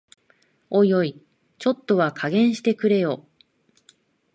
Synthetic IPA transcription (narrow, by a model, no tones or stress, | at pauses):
o̞jo̞i | t͡ɕo̞t̪ːo̞βakʰaɡẽ̞ɰ̃ɕi̥t̪e̞kɯ̟ɾe̞jo̞